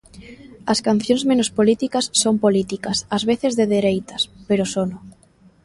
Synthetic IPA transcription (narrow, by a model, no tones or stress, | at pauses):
ɐskan̟θjoŋzmẽnospolit̪ikasːompolit̪ikasazβeθezðeðeɾejt̪aspeɾosono